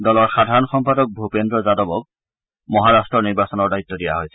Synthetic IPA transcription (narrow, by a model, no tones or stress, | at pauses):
dɔlɔɹxadʱaɹɔnxɔmpadɔk̚bʱupendɹɔzadɔbɔk̚ | mɔɦaɹastɹɔniɹbasɔnɔɹdajt̪ːɔdija̰ɦojsɛ